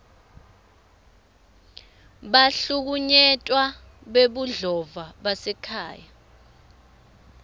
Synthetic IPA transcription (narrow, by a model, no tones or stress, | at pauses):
ɓaɬuk̬uɲɛtʼwa | ɓeɓuɮɔvaɓasɛkʰa̰ːja